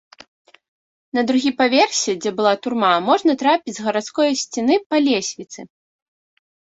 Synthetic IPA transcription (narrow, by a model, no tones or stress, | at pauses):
nɐd̪ɾuɣʲipavʲɛrsʲɛd͡zʲɛbɨlˠat̪urmamɔʐnɐt̪ɾapʲid͡zʲzɣɐɾat̪skɔjɐsʲt͡sʲinɨpalʲɛsʲvʲit̪sɨ